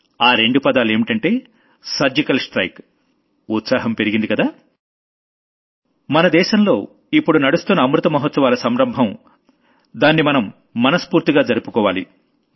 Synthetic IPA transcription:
aːɾe̞ɳɖupɐd̪aːleːmiʈɐɳʈe̞ː | sɐd͡ʒikɐlsʈɾɐ̰jk | ut̪saːɦɐmpe̞ɾiɡind̪ikɐd̪aː | mɐnɐd̪ɛːʃɐmlo̞ː | ipːuɽunɐɽust̪unːɐːmɾut̪ɐmɐɦɔt̪sɐʋaːlɐsɐmɾɐmbʱɐm | d̪aːnːimɐnɐmː | ɐnɐspuːɾt̪iɡaːd͡ʒɐɾupu̥kɔːʋaːlḭ

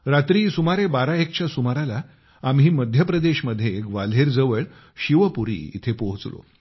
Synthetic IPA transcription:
ɾat̪ɾiːsumaɾebaɾaek̚t͡ɕasumaɾala | amɦiːməd̪ʱjəpɾəd̪eɕməd̪ʱːjekʋalɦeɾd͡zəʋəɭ | ɕiʋəpuɾḭːḭt̪ʰepoɦət͡slo̰

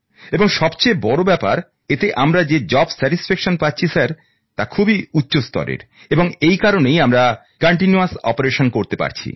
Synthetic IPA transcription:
eboŋʃɔbt͡ɕejbɔɾobɛpa̰ɾ | et̪eʔamɾad͡ʑed͡ʑɔbsɛʈisfɛkʃonpatːt͡ɕʰisaɾ | t̪akʰubiutːɕost̪ɔ̰ɾḛɾ | eboŋejkaɾonejamɾa | kɔɳʈinuasɔ̰poɾeʃonkoɾt̪epa̰ɾt͡ɕʰḭ

